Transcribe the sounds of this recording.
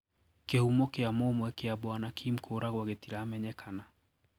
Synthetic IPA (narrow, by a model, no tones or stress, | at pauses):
kehumokeamoːmwɛkeabwanakʰim̩kʰoːɾaɣwaɣetiɾaːmɛɲɛkʰana